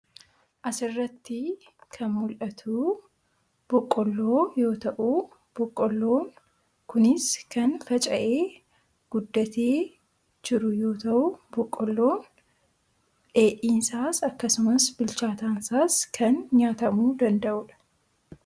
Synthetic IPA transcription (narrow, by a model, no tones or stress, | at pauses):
ʔɐsɪrːɐt̪ːɪ | kʰɐnmʊlʔɐt̪ʰuː | b̥ɔkʼːɔlːo̞ːjo̞ːt̪ɐʔu | b̥ɔkʼːɔlːo̞ːŋ | kʊnɪskɐnfɐt͡ʃʼɐʔe̞ː | ɡ̥ʊd̪ːɐt̪ʰeː | d͡ʒɪɾʊjo̞ːt̪ɐʔʊbɔkʼːɔlːoːn | ᶑe̞ːʔiːnsaːsɐkːɐsʊmɐsbɪlt͡ʃaːt̪aːnsaːskʰɐnɲaːt̪ɐmuːd̪ɐnd̪ɐʔʊᶑɐ̥